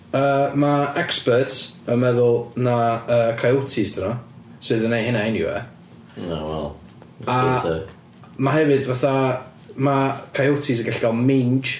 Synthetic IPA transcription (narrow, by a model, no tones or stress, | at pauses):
əːmaɛkspətəmɛðʊlˠnaəːkʰajotʰɪsd̥ʰɪnɔ | sɨːðənejɦɪnaɪnjɪ̰wɛ̰ | a̰wɛ̰lˠ | a | maɦɛvɨdvaθa | makʰajotʰɪs̬əɡɪɬɡ̥alˠmɪnd͡ʒ